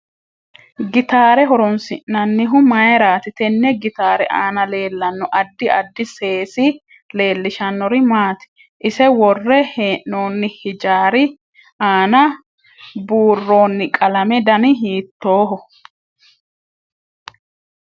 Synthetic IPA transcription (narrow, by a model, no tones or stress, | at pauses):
ɡɪt̪aːɾɛɦɔɾɔnsɪʔɐnːɪɦʊmɐjɛɾaːt̪ɪt̪ɛnːɛɡɪt̪aːɾɛʔaːnɐle̞ːlːɐnːɔʔɐd̪ːɪɐ̰d̪ːɪse̞ːsɪ | le̞ːlːɪʃɐnːɔɾɪmaːt̪ɪ̥ | ʔɪsɛwɔrːɛheːʔːo̞ːnːɪhɪd͡ʒaːɾɪ | aːnɐ | buːrːo̞ːnːɪkʼɐlɐmɛd̪ɐnɪɦiːt̪ːoːɦɔ